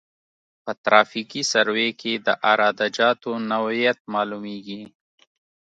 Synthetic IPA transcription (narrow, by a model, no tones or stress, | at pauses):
pət̪ɾɑfikisaɾwekʰed̪əʔaɾɑːd̪ad͡ʒɑt̪onawjat̪̚mɑlumeɡi